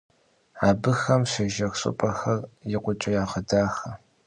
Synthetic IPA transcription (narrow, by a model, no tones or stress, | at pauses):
aːbɨxɐmɕʷɐʒɐxɕʼɨ̰pʼɐxɐrjɪqʷʊt͡ʃʼɪjaːʁədaːxɐ